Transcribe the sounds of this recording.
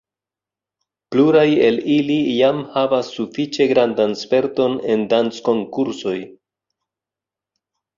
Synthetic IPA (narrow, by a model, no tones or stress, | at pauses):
pluɾaje̞lilijamhavasːufit͡ʃe̞ɡɾandanspe̞ɾto̞ne̞ndant͡sko̞ŋkuɾso̞j